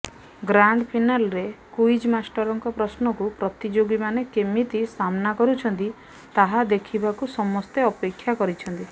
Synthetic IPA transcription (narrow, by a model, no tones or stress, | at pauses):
ɡɾaɳɖpʰinalɾekujd͡ʒmasʈɔɾɔŋkɔpɾɔsnɔkupɾɔt̪id͡ʒoɡimanekemit̪isamnakɔɾut͡ʃʰɔnt̪i | t̪aɦad̪ekʰibakusɔmɔst̪eɔpekʰːjakɔɾit͡ʃʰɔnt̪i